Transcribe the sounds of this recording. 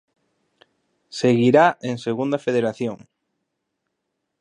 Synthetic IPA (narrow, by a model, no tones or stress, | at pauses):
seɣiɾaeŋseɣund̪afeðeɾaθjoŋ